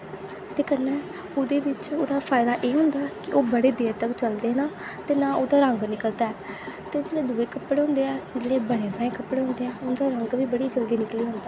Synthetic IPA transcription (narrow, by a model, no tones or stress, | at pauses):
t̪eːkənːɛː | oːd̪eːbɪt͡ʃoːd̪aːpʰaːɪd̪aːʔeːɦʊ̃nd̪aːkɪʔoːbəɽeːd̪eːɾt̪əkt͡ʃəld̪eːnaː | t̪eːnãːoːd̪aːɾəŋɡnɪkəlt̪aːɛːt̪eːd͡ʒeːɽeːd̪ʊːeːkəpɽeːɦʊ̃nd̪eːɛːd͡ʒeːɽeːbəɽ̃eːbəɳeːkəpɽeːɦʊ̃nd̪eːɛːʊnd̪aːɾəŋɡʋiːbəɽiːd͡ʒəld̪iːnɪkliːɦʊ̃nd̪aː